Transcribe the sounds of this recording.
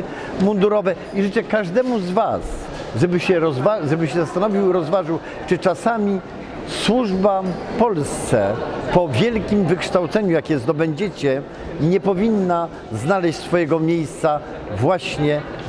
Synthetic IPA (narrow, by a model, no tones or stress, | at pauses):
mund̪uɾɔvɛ | iʐɘt͡ʂɛkaʐd̪ɛmuzvas | ʐɛbɘɕɛɾɔzvaʐɛbɘɕɛzast̪anɔvʲiwɾɔzvaʐɘw | t͡ʂɘt͡ʂasamʲi | swuʐbapɔlst̪sɛpɔvʲjɛlkʲimvɘkʂt̪awt̪sɛɲujakjɛzd̪ɔbɛɲd͡ʑɛt͡ɕɛ | ɲɛpɔvʲinːa | znalɛɕt͡ɕʲsfɔjɛɡɔmʲjejst̪sa | vwaɕɲɛ